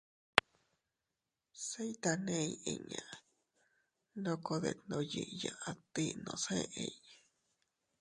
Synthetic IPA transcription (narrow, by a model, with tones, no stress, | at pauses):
se˦jt̪a˧nẽ˦˧i˧˨ɲã˨ | lo˦ko˧ðe˧˨nõ˧ji˧ʔjã˧ʔã˧t̪i˦nõ˧˨sẽ˦ʔẽ˧j